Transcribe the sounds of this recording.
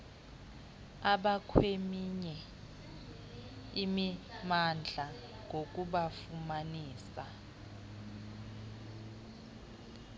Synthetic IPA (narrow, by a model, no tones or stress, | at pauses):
aɓakʰwemiɲɛ | imimand͡ɮʱa | ŋok̬ʼuɓafumaniːsa